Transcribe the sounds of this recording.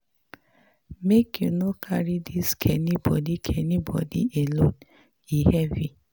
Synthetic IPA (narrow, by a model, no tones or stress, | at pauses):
mekjunokʰaɹidiskʰɛnibɔ̰dikʰɛnibɔ̰dḭelõn | ihɛvi